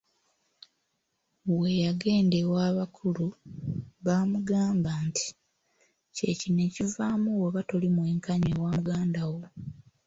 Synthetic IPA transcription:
we̞jaɡe̞ːnde̞waːβakʰulu | βamuɡaːmbantʰi̥ | ce̞cine̞ːcivaːmuweβatolimwe̞ːŋkaɲeːwaːmuɡaːndawo

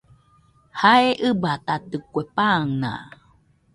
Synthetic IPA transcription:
haeʔɨbat̪at̪ɨkʷepaŋnã̰

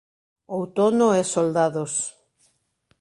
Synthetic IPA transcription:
owt̪onoɛsold̪aðos

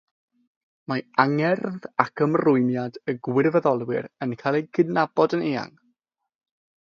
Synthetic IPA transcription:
maaŋɛrðakʰəmrʊɨmjadəɡwɪrvəðɔlˠwɪ̰ɾənkʰaːlˠeɡɪdnabɔdəneːa̰ŋ

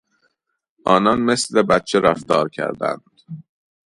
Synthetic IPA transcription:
ʔɒːnɒnme̞sle̞bæt̪̚t͡ʃʰeɾæft̪ɒːɾcʰæ̰ɾd̪æ̰nd̪̥

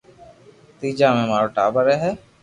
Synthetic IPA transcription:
t̪id͡ʒamɛmaɾoʈa̰bəɾɛɦɛ

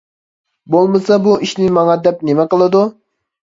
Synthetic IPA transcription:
bolˠmɨsɑbuʔiʃnɪmɑŋɑd̪ɛp̚nemɛqəlˠɨd̪u

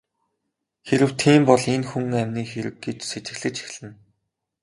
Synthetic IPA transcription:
xeɾɘ̆w̥t̪ʰiːmpɔɮenxuŋæmʲniːxeɾɘ̆k̚ɡet͡ɕset͡ɕɪ̆xɮɘ̆t͡ɕi̥xʲɮɘ̆n

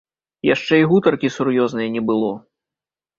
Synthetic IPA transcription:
jaʂt͡ʂɛiɣut̪ɐrkʲisurjɔznɐjɐnʲɛbɨlˠɔ

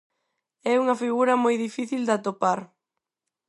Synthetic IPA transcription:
ɛuŋɐfiɣuɾɐmojðifiθild̪at̪opaɾ

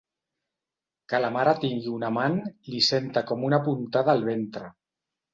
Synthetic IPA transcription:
kalamaɾat̪iŋɡiunamanlisent̪akɔmunapunt̪aðaːlˠβ̞ent̪ɾə

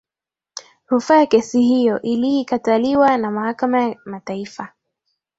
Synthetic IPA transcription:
hufaakɛsihijɔʔiliːkataliwanamahakamajamataifa

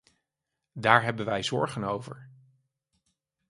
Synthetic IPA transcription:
daːɹɦɛbənʋɛjzɔɹχənowvə̰ɹ

